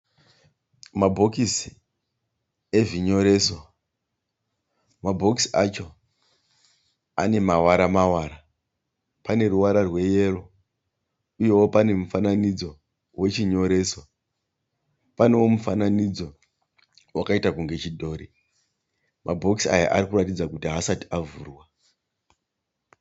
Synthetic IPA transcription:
mabʱo̞kisi | e̞ʐiɲo̞ɾe̞so | mabʱo̞ksiat͡ʃo̞ | ane̞mawaɾamawaːɾa | pane̞ruwaɾarwe̞je̞ro̞ | uje̞wopane̞mufananid͡zo̞ | we̞t͡ʃiɲo̞ɾe̞ːso̞ | pane̞wo̞mufananid͡zo̞ | wakaitakuŋɡe̞t͡ʃidʱo̞ːɾi | mabʱo̞ksiaja̰ʔaɾikuratid͡zakutiɦasati̥avuːrwa

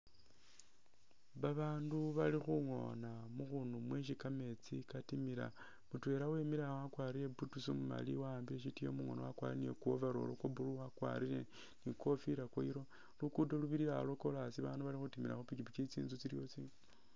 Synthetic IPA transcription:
βaβaːnduβalixuŋo̞̰namuxunumweʃ̬ikame̞t͡sikatimiɾa̰ | mutwe̞ɾawe̞miɾawakwaːɾile̞butusomuma̰liwaːmbileʃitijo̰muŋo̞̰nawakwa̰ɾiniḛkuovaɾo̞̰lokobuluwakwa̰ɾile̞ | niko̞fiɾakwoiɾo | lukudoluβiɾilalo̞ko̞lasiβaːnduβalixutimila̰xupikipikit͡sḭːnzut͡siɾjot͡si

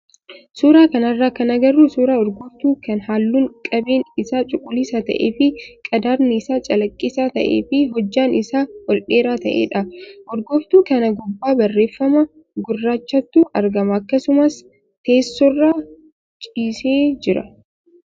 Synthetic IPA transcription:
suːɾaːkɐnɐrːaːkɐnɐɡɐrːuːsuːɾaːɔɾɡɔft̪uːkɐnhaːlːuːŋkʼɐbe̞ːnɪsaːt͡ʃʼʊkʼːʊliːsaːt̪ɐ̰ʔḛːfɪkʼɐd̪aːɾnɪːsaːt͡ʃʼɐlɐkʼːisaːt̪ɐ̰ʔḛːfɪɦɔd͡ʒːaːnɪsaːwɔlᶑe̞ːɾaːt̪ɐʔḛːᶑɐʔɔɾɡɔft̪uːkɐnɐɡɔbːaːbɐrːe̞ːfːɐmɐ | ɡʊrːaːt͡ʃːɐt̪ːuːʔɐɾɡɐmɐɐkːɐsʊmɐs | t̪e̞ːsːɔrːaː | t͡ʃʼiːseːd͡ʒɪɾɐ̰

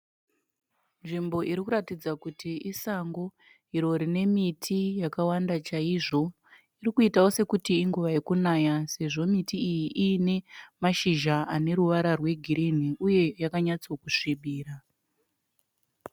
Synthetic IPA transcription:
nʐimbo̞ʔiɾikuratid͡zakutʰiʔisaŋɡo̞ | iɾo̞ɾine̞mitʰijakawandat͡ʃaiʐo̞ | irikuitaose̞kutiːŋɡuʋaekunaːjase̞ʐo̞mitiːjiʔiːne̞maʃiʒaʔane̞ɾuʋaɾarwe̞ɡʱiɾin̤iuje̞jakaɲat͡sokuʂiɓiːra

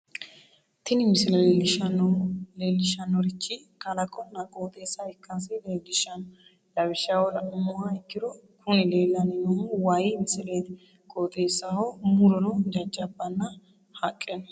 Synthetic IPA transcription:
t̪ɪnɪmɪsɪlɛlɪɐnleːlːɪʃɐnːɔɾɪt͡ʃːi | kɐlɐkʼːɔnɐkʼoːt̪ʼeːsːɐɪkːɐns̬ɪleːlːɪʃɐnɔ | lɐbɪʃawɔlɐmʊhaɪkːɪd̪ɔ | kʰʊnɪleːlːɐnɪnɔwajɪmɪsɪleːt̪ | kʼoːt̪ʼe̞ːsɐhomʊɾɔnɔd͡ʒɐt͡ʃʼːɐbːɐnːɐ | hɐkʼːenɐ

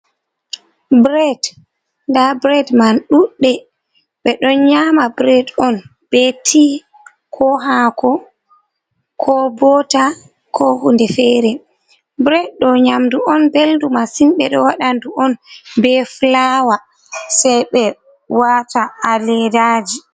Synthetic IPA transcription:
bɾɛd | ndabɾɛdmanɗuɗːɛ | ɓɛɗɔnɲamabɾɛdɔn | b̥ɛtʰi | kʰɔɦakɔ | kʰɔbɔta | kʰɔhundɛfɛɾɛ | bɾɛd̚ɗɔɲamduʔɔnbeldumasinɓɛɗɔwaɗanduʔɔnbɛflawa | sɛjɓɛ | wataːlɛdaːd͡ʒi

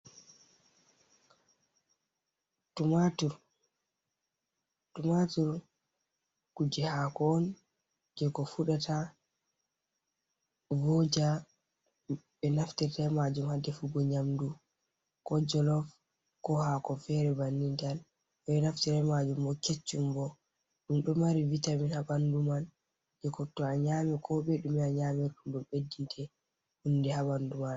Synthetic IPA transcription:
tumatuɾ | tumatuɾ | kud͡ʒɛhakɔːn | d͡ʒɛkɔfuɗata | vɔd͡ʒa | ɓɛnaftɛtɛmad͡ʒumhadɛfuɡɔɲamdu | kɔd͡ʒɔlɔf | kɔhakɔfɛɾɛbanːintal | ɛɓɛnaftɛɾɛmad͡ʒumbɔket͡ʃːumbɔ | minɗɔmaɾivitaminhaɓanduman | d͡ʒɛkɔtɔaɲamɛkʰɔɓɛɗumiaɲaːmɛɾɗumɗɔmɓedːintʰɛ | hundɛhaɓanduman

